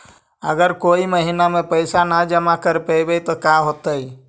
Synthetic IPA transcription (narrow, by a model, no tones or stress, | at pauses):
ə̰ɡəɾkoːiməɦinamẽpəɪsanad͡ʒəmakəɾpəɪbet̪ɔkaɦot̪əi